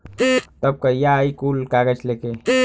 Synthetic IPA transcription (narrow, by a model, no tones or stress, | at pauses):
t̪ɐb̚kɐjaikuːlkaːɡət͡ʃleːke